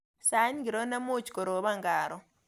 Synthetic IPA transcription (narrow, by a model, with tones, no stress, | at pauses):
sa˨˦ɲ˦ɡi˨ɾo˦na˦mu˦˨t͡ʃkɔ˨ɾo˨˦βa˦˨ŋɡaː˨ɾɔ˦